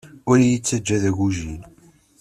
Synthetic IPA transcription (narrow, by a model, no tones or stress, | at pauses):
ʊɾjit͡sːæd͡ʒːæðæʝuʒin